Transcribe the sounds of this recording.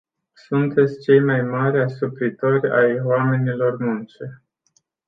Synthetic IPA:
sunt̪e̞t̪sʲt͡ʃe̞jmajmaɾʲasupɾit̪o̞rʲa̰jwame̞nilo̞rmunt͡ʃe

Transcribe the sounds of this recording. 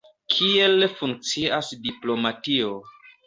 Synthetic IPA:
kʰielfuŋk̚t͡siasdiplo̞matio

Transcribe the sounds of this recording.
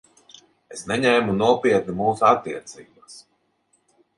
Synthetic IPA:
esnɛɲɛjmunuɔpiɛt̪̚nimuːsuat̪ːiɛt̪siːbas

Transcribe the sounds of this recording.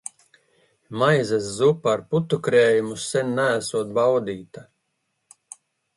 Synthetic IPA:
majzeszupːɾput̪ukɾeːjumusɛnːææsuɔt̪̚bawd̪iːt̪a

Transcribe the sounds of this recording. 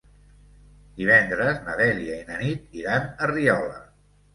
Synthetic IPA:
d̪̥iβ̞ɛnd̪ɾəznəðɛliəinənit̪iɾanəriɔlə̰

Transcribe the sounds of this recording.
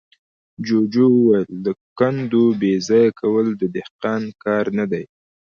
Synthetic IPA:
d͡ʒod͡ʒowəwajld̪əkand̪obezɑjakʰawəld̪əd̪ɪhqɑnkɑɾnad̪aj

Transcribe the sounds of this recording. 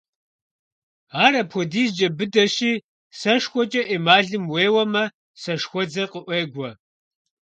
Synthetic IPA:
aːɾɐpʰɔdiːzd͡ʒɐbɨdɐɕiː | sɐʂxʷɔt͡ʃʼɐʔeːmaːɮɨmweːwɐmɐ | sɐʂxʷɔd͡zɐqəʔʷeːɡʷɔ

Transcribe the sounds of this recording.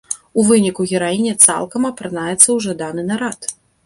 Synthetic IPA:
uvɨnʲikuɣʲɛɾajinʲɛt̪sa̰lˠkɐmɐpɾɨnajɛt̪sːɐwʐɐd̪anɨnaɾat̪

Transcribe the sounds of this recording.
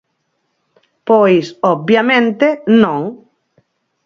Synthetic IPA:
pojsobjamẽnt̪enõŋ

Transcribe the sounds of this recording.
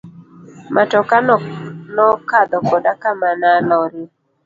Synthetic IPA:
mʔatɔkannɔkad̪ɔkɔdakamanalɔɾɪ

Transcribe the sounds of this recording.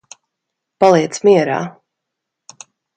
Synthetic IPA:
palˠiɛt̪smiɛɾa̰ː

